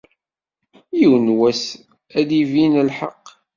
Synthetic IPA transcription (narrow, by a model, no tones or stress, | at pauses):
jəwnwæs | æðivinəlħaqː